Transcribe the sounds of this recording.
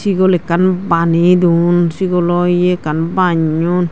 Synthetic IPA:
siɡolekanbanid̪unsiɡolojekanbaɲun

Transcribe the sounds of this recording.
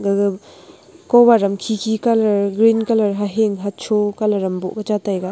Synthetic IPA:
ɡ | kɔbaɾɐmkʰikʰikalɐɾɡɾinkalɐɾɦaɦeŋɦat͡ʃʰokalɐɾɐmbɔ̰ʔkat͡ʃatajɡa

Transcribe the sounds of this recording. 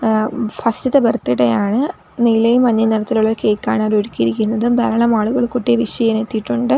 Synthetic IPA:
fɐstiðebɐrt̪ːiɽejaːɳɨ | nilɐjumʋɐɲːɐneɾɐt̪ːiluɭːɐkeːkːaːɳaɾoɽukːiiɾikʲːunːɐðɨd̪ɐɾɐɭɐmaːɭuɣɐɭkuʈːijɐʋiʂɐjɐnet̪ːiʈːuɳɖɨ

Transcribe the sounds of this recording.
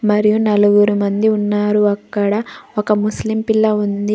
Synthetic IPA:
mɐɾijunɐluɡuɾumɐnd̪iunːaːɾuɐkːɐɽɐokɐmuslimpilːɐund̪i

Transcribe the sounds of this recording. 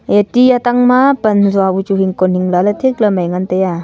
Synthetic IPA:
etijataŋmapɐnzuabut͡ʃuɦiŋkɔnhiŋlalɐt̪ʰeklɐmajŋantaja

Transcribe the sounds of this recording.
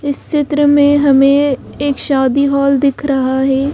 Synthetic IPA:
ɪst͡ʃɪt̪ɾəmẽɦɐmẽeːkʃaːd̪iɦɔːld̪ɪkʰɾɐɦaɦɛː

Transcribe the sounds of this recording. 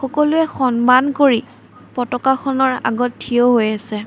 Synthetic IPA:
xɔkɔlʊɛxɔnmankoɹi | pɔtɔkaxɔnɔɹa̰ɡɔttʰːioɦojasɛ

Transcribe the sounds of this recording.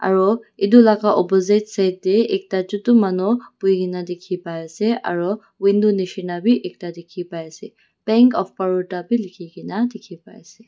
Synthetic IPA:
a̰ɹɔidulakaʔɔpɔzejtsajt̚deek̚tad͡ʒutumanɔpʊjɡinadekʰipajsɛʔa̰ɹɔ | wind̪uniʃinabʱiʔek̚tadekʰipajsɛ | bɛŋkɔfpaɹutabʱilikʰiɡinadekʰipa̰jsɛ

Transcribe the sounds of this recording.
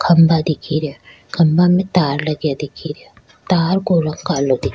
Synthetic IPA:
kʰɐmbad̪ikʰiɾja | kʰɐmbamẽt̪aːɾlɐɡjad̪ɪkʰiɾja | t̪aːɾkoːɾəŋkaːlod̪ik

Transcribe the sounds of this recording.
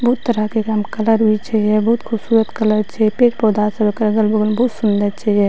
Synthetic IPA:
bɔːt̪ːəɾakekamkɐləɾɦit͡ʃʰɛɦɛbɦːt̪kʰʊbsuːɾət̪kələɾt͡ʃʰɛpeːʈpod̪aːsəbekɐɾɡəlbəɡəlbɔːt̪sʊnd̪əɾt͡ʃʰɛɛ

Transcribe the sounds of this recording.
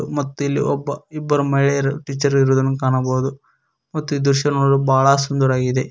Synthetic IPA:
mɐt̪ːuilːiɔbːɐibːɐɾumɐɭejɐɾuʈiːt͡ʃːɐɾiɾoːd̪ɐnːukaːnɐboːd̪u | mɐt̪ːuiːd̪uɾʃɐnoːɽubʱaːɭɐsund̪ɐɾaːɡid̪e

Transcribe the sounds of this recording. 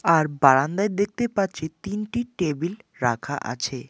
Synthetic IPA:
aɾbaɽand̪aed̪ek̚t̪epaɾt͡ɕʰet̪inʈiʈebilɾa̰kʰa̰ʔa̰t͡ɕʰe

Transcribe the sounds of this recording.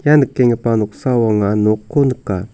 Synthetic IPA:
janɨkːeŋepanuksawaŋanokʰːonəkːa

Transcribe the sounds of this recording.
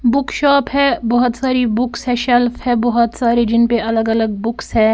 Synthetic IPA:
bʊkʃaːpɦɛːbɔɦɔt̪saːɾibʊksɦɛːʃɛlfɦɛ̃ːbɔɦɔt̪saːɾed͡ʒɪnpeʔɐləɡɐləɡ̚bʊksɦɛ̃ː

